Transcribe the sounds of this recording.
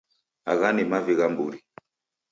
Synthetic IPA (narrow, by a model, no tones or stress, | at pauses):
aɣanimaviɣambuɾi